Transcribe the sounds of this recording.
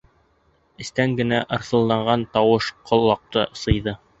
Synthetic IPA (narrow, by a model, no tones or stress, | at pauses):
ɘ̆st̪æŋɡɘ̆næʔɤ̆ɾθɤ̆lˠd̪ɑɴɢɑnt̪ɑwɤʃqʰŏlˠːɑq̚t̪ɤsɤ̆jðɤ